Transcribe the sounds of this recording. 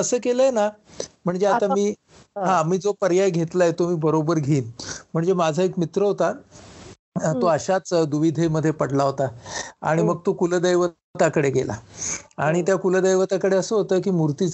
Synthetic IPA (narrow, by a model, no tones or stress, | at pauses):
əsəːkeləjenam̤əɳd͡zeat̪amiː | ɦãmiːd͡zopəɾjajɡʱet̪laɦet̪omiːbəɾobəɾɡʱiːnm̤əɳd͡zemad͡zʱaekmit̪ɾəɦot̪a | t̪oəɕat͡sd̪uʋid̪ʱeməd̪ʱːjepəɽlaɦot̪aa̰ɽ̃iməɡ̚t̪okuləd̪əjʋə | t̪akəɽeɡḛla̰aɽ̃it̪jakuləd̪əjʋət̪akəɽeəsəɦot̪əːkiːmuɾt̪it͡s